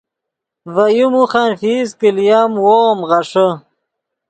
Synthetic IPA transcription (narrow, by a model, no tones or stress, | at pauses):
vajumuχanfiːskilijamwoːmʁɐʂə